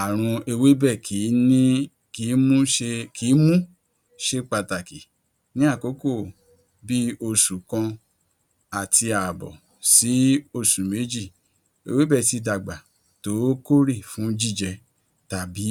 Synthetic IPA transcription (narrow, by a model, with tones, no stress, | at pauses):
a˨ɾ̃ũ˧e˧we˦bɛ˦˨kʰi˨˦nĩ˦ | ki˨˦mũ˦ʃe˧kʰi˨˦mũ˦ | ʃe˦k͡pa˧ta˨ki˨ | nĩ˦a˦˨ko˨˦ko˦˨ | bi˦o˧su˨kã˧ | a˨ti˧a˨bɔ̰˨ | si˨˦o˧˨sũ˨me˨˦d͡ʒi˦˨ | ḛ˧we˦bɛ˦˨ti˧da˨ɡ͡ba˨ | to˨˦ko˦ɾi˦˨fũ˨˦d͡ʒi˦˨d͡ʒɛ˧ | ta˨bi˨˦